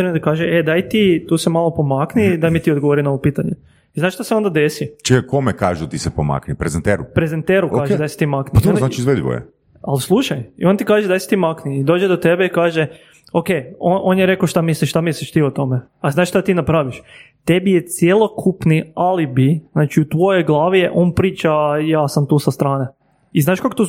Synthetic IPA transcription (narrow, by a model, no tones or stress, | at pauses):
ɾemd̪akaːʒeed̪ajt̪it̪uːsemalˠo̞po̞maknid̪ajmit̪iod̪ɡoʋoɾinaoʋopiːt̪aɲe | iznaːʃt̪aseo̞nd̪ad̪esit͡ʃiakomeka̰ːʒut̪isepoma̰knipɾezent̪eɾupɾezent̪eɾuaːʒed̪ajse̥t̪imakniznaːt͡ʃiizʋed̪iʋo̰jḛ | a̰lslˠuʃajio̞nt̪ikaːʒed̪ajse̥t̪imakniːd̪oːd͡ʒed̪ot̪ebeikaːʒe | okejonʔonjeɾe̞koʃt̪amisliʃʃt̪amisliʃt̪iot̪o̞me | azaːʃt̪at̪iːnapɾaːʋiʃt̪ebijet̪sjelˠo̞kʰupnialibiznaːt͡ʃiut̪ʋo̞jeɡlˠaːʋijeʔo̞ːnpɾiːt͡ʃajaːsamt̪uːsast̪ɾaːne | iznaːʃkakot̪o